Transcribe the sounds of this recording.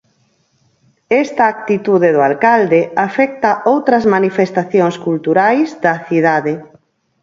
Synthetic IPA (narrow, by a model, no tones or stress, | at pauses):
ɛst̪ɐːk̚t̪it̪uðeðoalkald̪eafɛk̚t̪ɐʔowt̪ɾɐzmanifest̪aθjoŋskult̪uɾajzðɐθiðaðe